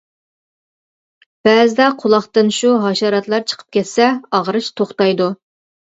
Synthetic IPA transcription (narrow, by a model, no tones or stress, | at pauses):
b̥æːzɪd̪ɛqʰʊlˠɑχt̪ɨnʃuɦɑʃɑɾɑt̪lˠɑɾt͡ʃʰə̥qʰə̥p̚kʲʰɛt̪sɛɑʁəɾɨʃt̪ʰoχt̪ɑjd̪u